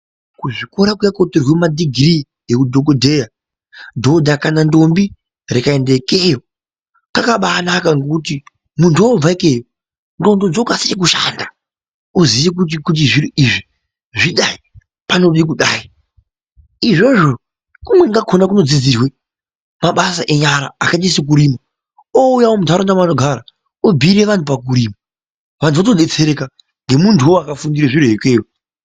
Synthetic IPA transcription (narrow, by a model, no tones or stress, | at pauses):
kuʐiko̞ɾakujakoterwemadiɡʱri | ekudʱok̬odʱeja | do̞dʱakanando̞mbi | rekae̞ndekejo̞ | kakaɓaːnakaŋɡokuti | muntuob͡vaeke̞ːjo | ndo̞ndod͡zokasijek̬uʃa̰nda | oziʋek̬ut̬ikut̬iʐiɾuʔiʐi | ʐiɗai | pano̞ɗik̬uɗaːi | iʐo̞ʐo̞ | kumwe̞ŋɡakʰo̞nakuno̞d͡zid͡zirwe | maɓasaʔe̞ɲaɾa̰akat͡ʃisek̬uɾima | oujawomutʰaɾondamanoɡʱaɾa | obʱiɾe̞ʋantup̬ak̬uɾiːma | ʋantʰuʋatoɗe̞t͡se̞ɾeka | ŋɡe̞muntʰuoakafundiɾeʐiɾuɦekeːo